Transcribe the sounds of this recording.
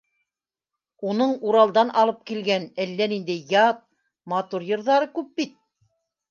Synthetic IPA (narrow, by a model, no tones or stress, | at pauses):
unɤɴuɾɑlˠd̪ɑnʔɑlˠɤp̚kilɡænælːænind̪æjɑt̪̚ | mɑt̪uɾjɤ̆ɾðɑɾɤkʉp̚bit̪̚